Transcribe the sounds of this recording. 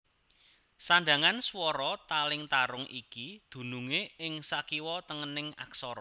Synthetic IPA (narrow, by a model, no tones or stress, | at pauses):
sanɖ̪a̤ŋanswɔɾɔt̪alɪŋt̪aɾʊŋʔikid̪̥ṳnuŋeɪŋsakiwɔt̪əŋənɪŋa̰ksɔɾɔ